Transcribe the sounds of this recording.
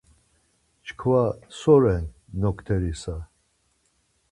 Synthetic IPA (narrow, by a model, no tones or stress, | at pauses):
t͡ʃʰkʰvasɔɾɛnːɔkʰt̪ʰɛɾisa